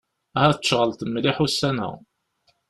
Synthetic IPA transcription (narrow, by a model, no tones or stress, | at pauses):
æhæθəʃʁəlt̪əmːliħusːænə̰ʁ